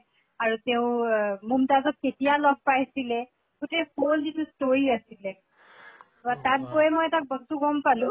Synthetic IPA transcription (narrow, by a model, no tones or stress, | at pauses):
aɹuteʊ̃mumtazɔt̚ketijalɔb̚pajsilɛ | kutepolzitʰustoiasilɛ | batat̚bojɛmɔjtak̚bɔstuɡɔmpalũ